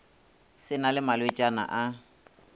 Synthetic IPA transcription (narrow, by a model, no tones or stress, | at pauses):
sɪnalɪmalwet͡ʃʼana̰ʔa